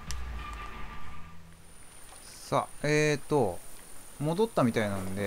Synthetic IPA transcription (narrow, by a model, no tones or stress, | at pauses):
sa̰eːt̪ːo | mo̞d̪o̞t̪ːamʲit̪ainãnd̪e̞